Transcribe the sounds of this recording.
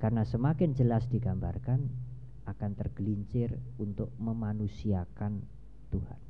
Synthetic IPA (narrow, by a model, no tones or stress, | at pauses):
karnasəmakɪnd͡ʒəlasd̥iɡambarkan | ʔakant̪ərɡ̥əliɲt͡ʃɪrunt̪ʊk̚məmanusiakan | t̪uha̰n